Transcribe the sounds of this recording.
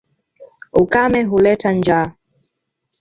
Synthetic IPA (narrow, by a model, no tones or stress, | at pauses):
ukamɛɦulɛtand͡ʒa